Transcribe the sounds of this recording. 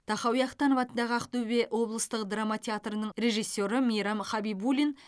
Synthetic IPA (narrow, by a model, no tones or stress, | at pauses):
t̪ʰɑχɑwjɑqt̪ʰɑnəvɑt̪ənd̪ɑʁəɑqt̪ɵbe̞ʔwo̞blˠəst̪əqd̪ramat̪ʲʰeat̪rənəɴɾʲe̞ʒijsʲːo̞ɾəmijɾɑmχɑbibulʲin